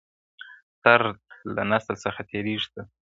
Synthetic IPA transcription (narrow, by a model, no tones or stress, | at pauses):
t̪aɾd̪̚la̰nasəlsəxat̪ʰeɾiʐt̪a